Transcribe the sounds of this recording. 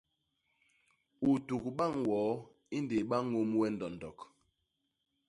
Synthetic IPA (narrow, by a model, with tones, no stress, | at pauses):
u˨tu˨kɓa˦˨ŋwɔ˨˦ | i˦nde˨ɓa˦ŋo˦mwɛ˦n̩˨dɔ˨n˨dɔ˨k